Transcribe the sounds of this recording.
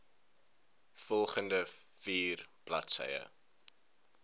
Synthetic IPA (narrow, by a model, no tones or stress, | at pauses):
fɔlˠχəndəfiːrb̥lɐtsə̰jə̰